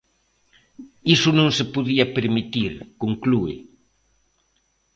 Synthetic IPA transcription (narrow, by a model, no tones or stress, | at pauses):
isʊnõŋsepuðiɐpeɾmit̪iɾkoŋkluɪ̰